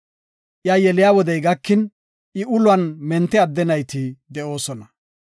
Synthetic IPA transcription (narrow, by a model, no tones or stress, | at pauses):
ʔjajɛlɪjaːwɔd̪ɛjɡɐkːɪn | ʔɪʊlwɐnmɛnt̪ːɛɐd̪ːɛnɐjt̪ɪd̪ɛʔo̞ːsɔnɐ